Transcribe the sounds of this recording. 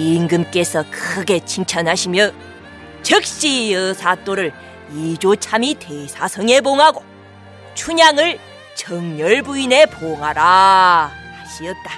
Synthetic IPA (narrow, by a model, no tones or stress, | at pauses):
iŋɡɯmk͈e̞sʰʌkʰɯɡe̞t͡ɕʰiŋt͡ɕʰʌnɦaɕʰimjʌ | t͡ɕɯk̚ɕ͈ijʌsʰat͈oɾɯɭ | id͡ʑot͡ɕʰamite̞sʰasʰʌŋe̞boŋɦaɡo | t͡ɕʰuɲaŋɯɭ | t͡ɕʌŋɲʌɭbuine̞poŋɦaɾa | haɕʰiʌt̚t͈a